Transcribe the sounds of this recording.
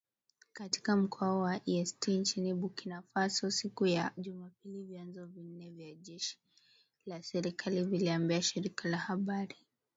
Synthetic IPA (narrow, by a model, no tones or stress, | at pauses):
kati̥kam̩kʰɔɔwaʔiɛstint͡ʃiniɓukinafasɔsikujaʄumapilivjanzɔvin̩nɛvjaʄɛʃi̥ | lasɛɾikʰaliviliambiaʃiɾikalahaɓaɾi